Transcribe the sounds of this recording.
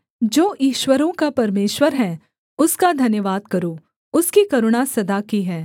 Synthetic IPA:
d͡ʒoːʔiːʃwəɾõkapɐɾmeːʃwəɾɦɛ̃ | ʊskad̪ʱɐnjəʋaːd̪̚kɐɾoː | ʊskikɐɾʊɽ̃asɐd̪akiɦɛː

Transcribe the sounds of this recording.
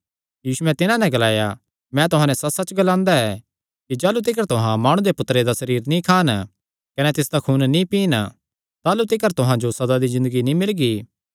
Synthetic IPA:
jiːsuɛ̃t̪ɪnãnɛ̃ɡɐlaːja | mɛ̃t̪ʊɦãːnɛ̃sɐsɐt͡ʃɡɐlãːnd̪aɛ | kid͡ʒaːlut̪̬ɪk̬əɾt̪ʊɦãmaːɽ̃ũd̪epʊt̪ːɾed̪asɐɾiːɾnĩkʰaːn | kɐnɛt̪ɪsd̪akʰuːnnĩpiːn | t̪aːlut̪ɪkəɾt̪ʊɦãd͡ʒosɐd̪ad̪izɪ̃nd̪əɡinĩmɪlɡiː

